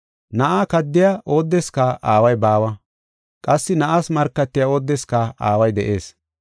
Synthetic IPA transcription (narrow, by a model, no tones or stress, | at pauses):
nɐʔaːkɐd̪ːɪjaʔo̞ːd̪ːɛskɐʔaːwɐjbaːwɐ | kʼɐsːɪnɐʔaːsmɐɾkːɐt̪ːɪjao̞ːd̪ːɛskɐaːwɐjd̪ɛʔe̞ːs